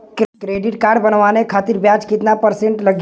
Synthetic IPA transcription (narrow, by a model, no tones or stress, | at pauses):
kkɾeːɖɪʈkaːɾɖbənʋaːnekʰaːt̪ɪɾbjaːt͡ʃkɪt̪napəɾsẽɳʈlɐɡ